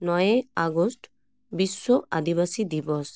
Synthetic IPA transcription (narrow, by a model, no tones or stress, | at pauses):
nɔjeaɡɔst | bisːɔa̰d̪iβasid̪ibɔs